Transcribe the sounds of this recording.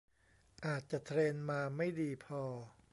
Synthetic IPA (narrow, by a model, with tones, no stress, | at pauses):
ʔaː˨˩t̪̚t͡ɕa˨˩ʔt̪ʰɾeː˧nmaː˧ma˥˩jdiː˧pʰɔː˧